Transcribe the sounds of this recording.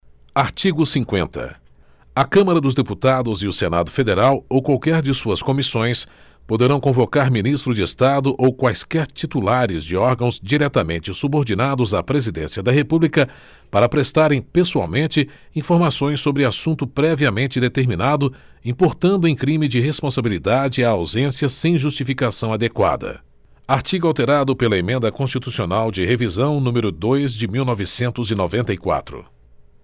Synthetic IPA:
aɾt͡ʃiɡʊsĩkwẽnt̪ɐ̰ | ɐkɐ̃mɐɾɐd̪ʊzd̪eput̪ad̪ʊzɪʊsena̰d̪ʊfed̪eɾawowkwawkɛɾd͡ʒɪsuɐskõmisõj̃s | pod̪eɾɐ̃w̃kõvokaɾminist̪ɾʊd͡ʒɪest̪ad̪ʊʔowkwajskɛɾt͡ʃit̪ulaɾɪzd͡ʒɪɔɾɡɐ̃w̃zd͡ʒiɾɛt̪ɐmẽnt͡ʃɪsuboɾd͡ʒinad̪ʊzɐpɾezid̪ẽsiɐd̪ɐɦepublikɐ | paɾɐpɾest̪aɾẽj̃pesua̰wmẽnt͡ʃɪ | ĩfoɾmasõj̃sːobɾɪasũnt̪ʊpɾɛviɐmẽnt͡ʃɪd̪et̪eɾminad̪ʊ | ĩpoɾt̪ɐ̃nd̪ʊẽj̃kɾĩmɪd͡ʒɪɦespõsabilid̪ad͡ʒɪaːwzẽsiɐsẽj̃ʒust͡ʃifikasɐ̃w̃ad̪ekwa̰d̪ɐ̰ | aɾt͡ʃiɡʊawt̪eɾad̪ʊpelɐemẽnd̪ɐkõst͡ʃit̪usionawd͡ʒɪhevizɐ̃w̃nũmeɾʊd̪ojzd͡ʒɪmiwnɔvɪsẽnt̪ʊzinovẽnt̪ɐikwa̰t̪ɾʊ̰

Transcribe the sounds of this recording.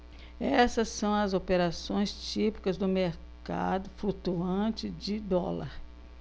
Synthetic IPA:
ɛsɐsːɐ̃w̃ɐzopeɾasõj̃st͡ʃipi̥kɐzd̪ʊmeɾ | ka̰d̪ʊfɾut̪uɐ̃t͡ʃɪd͡ʒɪd̪ɔ̰lɐ̰ɾ

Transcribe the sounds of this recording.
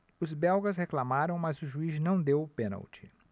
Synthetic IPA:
ʊzbɛwɡɐsheklamaɾɐ̃w̃mɐzʊʒuiznɐ̃w̃d̪ewʊpẽnɐ̰wt͡ʃɪ̥

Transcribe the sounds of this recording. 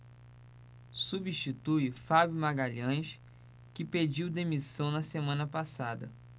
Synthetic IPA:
subiʃt͡ʃit̪ujfabjumaɡaʎɐ̃jʃ | kɪped͡ʒiwd̪emisɐ̃w̃nɐsemɐ̃nɐpasad̪ɐ̰

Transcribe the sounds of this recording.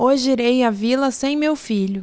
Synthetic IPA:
oʒɪiɾejɐvilɐsẽj̃mewfiʎʊ

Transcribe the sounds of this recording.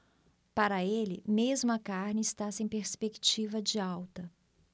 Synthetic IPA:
paɾɐelɪ̰mezmʊɐkaɾnɪɪst̪asẽj̃peɾspekt͡ʃivɐd͡ʒɪawt̪ɐ

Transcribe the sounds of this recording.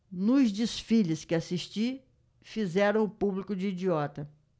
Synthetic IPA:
nʊzd͡ʒisfiʎɪskɪasiʃt͡ʃi | fizɛɾɐ̃w̃ʊpublikʊd͡ʒɪid͡ʒiɔt̪ɐ

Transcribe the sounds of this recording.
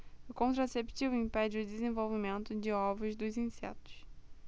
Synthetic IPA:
ʊkõnt̪ɾasept͡ʃivʊĩpɛd͡ʒɪʊd̪ɪzẽvowvimẽnt̪ʊd͡ʒɪɔvʊzd̪ʊzĩsɛ̰t̪ʊ̥s

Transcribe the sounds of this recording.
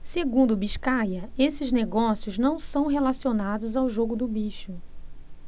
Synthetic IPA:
seɡũnd̪ʊbiʃkajɐesɪzneɡɔsijʊznɐ̃w̃sɐ̃w̃ɦelasionad̪ʊzawʒoɡʊd̪ʊbiʃʊ

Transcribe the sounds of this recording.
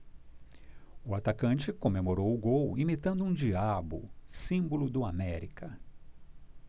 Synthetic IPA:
ʊat̪akɐ̃nt͡ʃɪkõmemoɾowʊɡowimit̪ɐ̃nd̪ʊũd͡ʒiabʊ̰sĩmbʊlʊd̪ʊamɛɾikɐ

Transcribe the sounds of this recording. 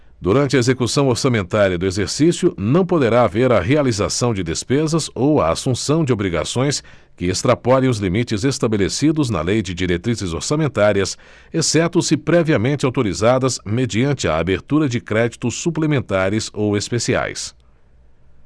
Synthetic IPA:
d̪uɾɐ̃nt͡ʃɪɐezekusɐ̃w̃oɾsamẽnt̪aɾiɐd̪ʊezeɾsisjʊnɐ̃w̃pod̪eɾaːveɾɐɦealizasɐ̃w̃d͡ʒɪd̪espezɐzowɐa̰sũsɐ̃w̃d͡ʒɪobɾiɡa̰sõj̃s | kɪest̪ɾapɔɾẽj̃ʊzlimit͡ʃɪzest̪abelesid̪ʊznɐ̰lejd͡ʒɪd͡ʒiɾet̪ɾizɪzo̰ɾsamẽnt̪aɾiɐs | esɛt̪ʊ̃sɪpɾɛviɐmẽnt͡ʃɪawt̪oɾizad̪ɐzmed͡ʒiɐ̃nt͡ʃɪɐ̰a̰beɾt̪uɾɐd͡ʒɪkɾɛd͡ʒit̪ʊsːuplemẽnt̪aɾɪzowespesia̰js

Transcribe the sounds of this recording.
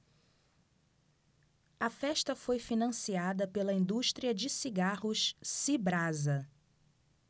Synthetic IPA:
ɐfɛʃt̪ɐfojfinɐ̃siad̪ɐpelɐĩnd̪uʃt̪ɾiɐd͡ʒɪsiɡahʊʃsibɾazɐ

